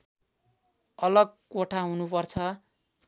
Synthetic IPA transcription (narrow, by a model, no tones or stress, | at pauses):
ʌlʌɡkoʈʰaɦunupʌrt͡sʰʌ